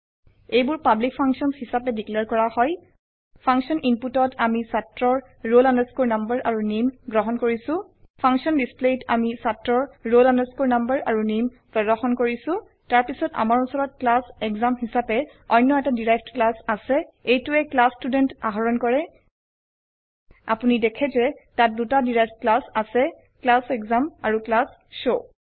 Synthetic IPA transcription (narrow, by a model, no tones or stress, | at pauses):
ejbʊɹpablik̚pʰaŋksiɔnshisapɛdiklɛɹkɔɹahɔj | pʰaŋksɔnʔimputɔtamisatɹɔɹ | ɹolanɛskoɹnambəɹaɹunimɡɹɔɦɔnkoɹisʊ̃ | pʰaŋksɔnbispletʰamisatɹɔɹɹolɔnɛskoɹnambəɹʔaɹunim | pɹɔdɔxɔnkoɹisʊ̃ | taɹpisɔta̰maɹusɔɹɔt̚klasɛkzamɦisapɛɔjnːɔɛtadiɹajfʰtklasasɛejtuɛklastudɛntaɦɔɹɔnkɔɹɛ | a̰punidɛkʰɛzɛtat̚dutadiɹajfʰtklasasɛ | klasɛɡzama̰ɹuklas | ʃo